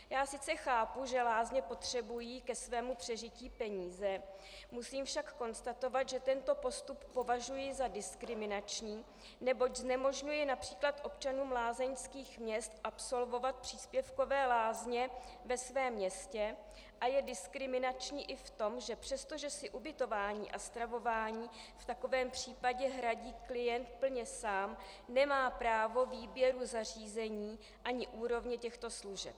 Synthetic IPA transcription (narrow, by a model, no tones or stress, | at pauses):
jaːsɪt͡sɛxaːpuʒɛlaːzɲɛpo̞t̪r̝̥ɛbujiːkɛsvɛːmupr̝̥ɛʒɪciːpɛɲiːzɛ | musiːmfʃakko̞nst̪at̪o̞vat̪ʒɛt̪ɛnt̪o̞po̞st̪upːo̞vaʒujɪzadɪskɾɪmɪnat͡ʃɲiː | nɛbo̞cznɛmo̞ʒɲujɪnapr̥iːklat̪ʔo̞p̚t͡ʃanuːmlaːzɛɲskiːxmɲɛst̪ʔapso̞lvo̞vat̪̚pr̥iːspjɛfko̞vɛːlaːzɲɛ | vɛsvɛːmːɲɛscɛ | ʔajɛdɪskɾɪmɪnat͡ʃɲiːʔɪft̪o̞mʒɛpr̥ɛst̪o̞ʒɛsɪʔubɪt̪o̞vaːɲḭːʔast̪ɾavo̞vaːɲiː | ft̪ako̞vɛːmpr̝̥iːpaɟɛɦɾaɟiːklɪjɛnt̪̚pl̩ɲɛsaːm | nɛmaːpɾaːvo̞viːbjɛɾuzariːzɛɲiː | ʔaɲɪʔuːɾo̞vɲɛcɛxt̪o̞sluʒɛp̚